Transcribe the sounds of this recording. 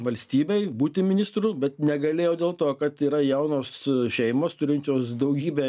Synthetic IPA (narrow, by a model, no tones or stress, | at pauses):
ʋɐlʲsʲt̪ʲiːbʲɛɪbuːt̪ʲɪmʲɪnʲɪst̪ɾubʲɛt̪nʲɛɡɐlʲeːjɛːd̪ʲeːlˠt̪oːkɐt̪iːɾɐjɛʊnoːsʃʲɛɪmoːst̪ʊɾʲɪnʲt͡ʃʲoːsd̪ɐʊɡʲiːbʲɛ